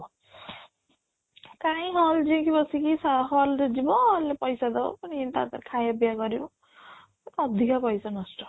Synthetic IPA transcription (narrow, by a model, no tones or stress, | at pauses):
kãĩɦɔld͡ʒĩkibɔsikisaɦɔlɾed͡ʒibɔlepɔjsad̪ɔ̰panint̪a̰t̪aɾkʰajabijakɔɾibɔ | ek̪ːd̪ʱikapɔjsanɔsʈɔ